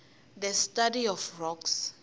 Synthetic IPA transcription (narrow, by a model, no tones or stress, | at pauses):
ðɛstadiɔfrɔks